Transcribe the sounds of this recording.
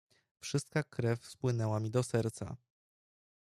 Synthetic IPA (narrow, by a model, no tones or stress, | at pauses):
fʂɘst̪̚kakɾɛfspwɘnɛwamʲid̪ɔsɛɾt̪sa̰